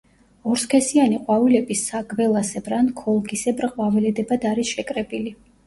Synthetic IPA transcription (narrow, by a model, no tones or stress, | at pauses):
ɔɾskʰɛsianiqʼwavilɛbisːaɡvɛlˠasɛbɾankʰɔlˠɡisɛbɾqʼwavɛlɛd̪ɛbad̪aɾisʃɛkʼɾɛbili